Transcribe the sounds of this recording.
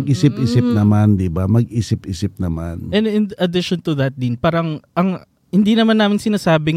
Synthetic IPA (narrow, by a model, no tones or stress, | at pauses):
ɡʔiːsɪpʔiːsɪp̚nɐmand̪ɪbamɐɡʔiːsɪpʔiːsɪp̚nɐmanɛnɪnd̪ʔɐd̪ɪʃont̪ʊðɐt̪̚d̪ɪnpaːɾɐŋʔɐŋ | hɪnd̪inɐmanːaːmɪŋsɪnaːsaːbɪ